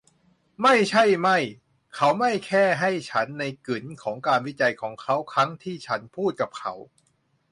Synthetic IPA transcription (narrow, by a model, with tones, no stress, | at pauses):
ma˥˩jt͡ɕʰa˥˩jma˥˩j | kʰa˦˥wma˥˩jkʰɛː˥˩ɦa˥˩jt͡ɕʰa˦˥nːa˧jkɯ˩˦nkʰɔː˩˦ŋkaː˧nwi˦˥t͡ɕa˧jkʰɔː˩˦ŋkʰa˦˥wkʰɾa˦˥ŋt̪ʰiː˥˩t͡ɕʰa˦˥npʰuː˥˩t̪̚ka˨˩p̚kʰa˦˥w